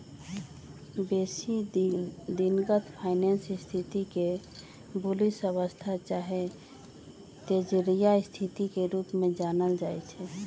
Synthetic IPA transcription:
besi | d̪inɡət̪ʰpʰaɪnensist̪ʰit̪ike | bulisəβəst̪ʰat͡ʃaɦe | t̪ed͡ʒɾijaist̪ʰit̪ikeɾupmẽd͡ʒanəld͡ʒajt͡ʃʰɛ

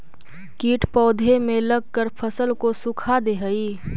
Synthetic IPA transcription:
kiːʈpɔːd̪ʱemẽləɡ̚kəɾpʰəsəlkosʊkʰad̪eɦəiː

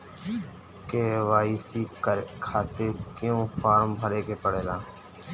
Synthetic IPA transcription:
keːʋaːiːsiːkʰaːt̪eːkjõːfʰaːɾmbʱəɾeːkeːpəɽeːlaː

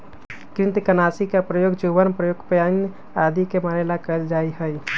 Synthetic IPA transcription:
kɾɪnt̪kənaːsikapɾəjoːɡd͡ʒoʋənpɾəjoːɡpəjaːn | aːd̪ikemaɾelakəld͡ʒaːiɦəj

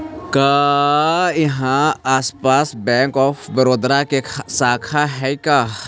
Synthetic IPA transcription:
kaː | jɐɦãaːspaːsbɛ̃ːŋkɔːpʰbəɾoːd̪ɾakesaːkʰaɦɛikaː

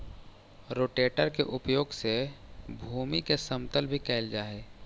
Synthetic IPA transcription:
ɾoːʈeːʈəɾkeʔʊpjoːɡsebʱuːmikesəmt̪əlbʱikɛɪld͡ʒaːeː

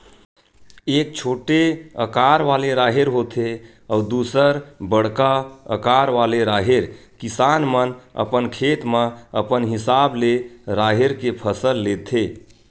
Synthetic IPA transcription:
ek̚t͡ʃʰoʈeəkaɾʋaleɾaɦeɾɦot̪ʰe | ɔud̪usəɾbəɽkaə̰kaɾʋaleɾaɦeɾkisanmənə̰pənkʰet̪mə̃əpənɦisableɾaɦeɾkepʰəsəlːet̪ʰe

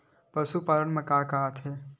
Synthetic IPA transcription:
pəsupaːlənmẽkaːkat̪ʰɦeː

